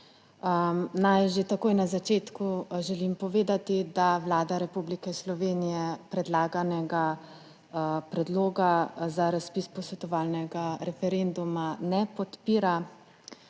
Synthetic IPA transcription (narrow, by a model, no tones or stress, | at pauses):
najʒet̪akoːjnazat͡ʃeːt̪kuʒɛlimpɔʋeːd̪at̪id̪aʋlaːd̪aɾɛpublikɛslɔʋeːnijɛpɾɛd̪laːɡanɛɡa | pɾɛd̪loːɡazaɾaspispɔsʋɛt̪ɔʋaːlnɛɡaɾɛfɛɾend̪umanɛpɔt̪piːɾa